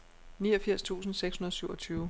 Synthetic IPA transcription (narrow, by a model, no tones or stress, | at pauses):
niːɒ̽fiɐ̰st͡sʰṵːsn̩seɡ̥shunɐðˠsyʊɒ̽t͡sʰyːʊ